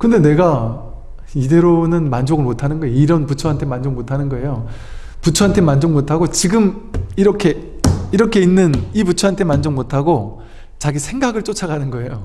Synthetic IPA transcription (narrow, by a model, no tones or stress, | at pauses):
kɯnde̞ne̞ɡa | ide̞ɾonɯnmand͡ʑoɡɯɭmotʰanɯnɡʌeiɾʌnput͡ɕʰoɦantʰe̞mand͡ʑoɡmotʰanɯnɡʌe̞jo | put͡ɕʰoɦantʰe̞mand͡ʑoŋmotʰaɡot͡ɕiɡɯmiɾʌkʰe̞ | iɾʌkʰe̞inːɯniput͡ɕʰoɦantʰe̞mand͡ʑoŋmotʰaɡo | t͡ɕaɡisʰe̞ŋɡaɡɯɭt͡ɕ͈ot͡ɕʰaɡanɯnɡʌe̞jo